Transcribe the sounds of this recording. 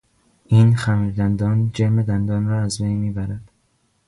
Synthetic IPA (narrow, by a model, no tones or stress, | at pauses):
ʔiːnxæmiɾd̪ænd̪ɒːnd͡ʒeɾmed̪ænd̪ɒːnɾɒːæzbejmiːbæɾæd̪̥